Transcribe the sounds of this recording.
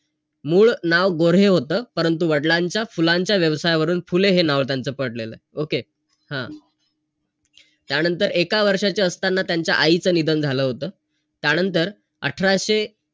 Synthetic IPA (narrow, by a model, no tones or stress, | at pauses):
muːɭnaʋɡoɾeɦot̪əːpəɾənt̪̬uʋəɽlaɲt͡ɕjafulaɲt͡ɕjaʋjəʋsajʋəɾuːnfuleɦenaʋt̪jant͡səːpəɽlelə̰ːoke | hã̰ | t̪janənt̪əɾekaʋəɾʂat͡ɕaəst̪anːat̪jaɲt͡ɕja̰ʔait͡səːnid̪ʱənd͡zʱaləːɦot̪əː | t̪janənt̪əɾ | ə̰ʈʰɾaɕe